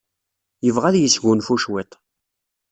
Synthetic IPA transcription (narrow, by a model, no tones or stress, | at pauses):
jəvʁæðjəsʝunfuʃwit̪ˤ